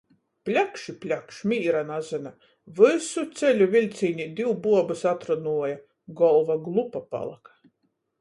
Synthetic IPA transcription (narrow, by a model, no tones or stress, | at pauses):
plʲakʃipʲlʲakʃmʲiːɾanazɨna | vɨsut̪sʲɛlʲuvʲilʲt̪sʲiːnʲid̪ʲiwbuɔbɨsat̪ɾunuɔja | ɡɔlˠvaɡlˠupapa̰lˠa̰kḁ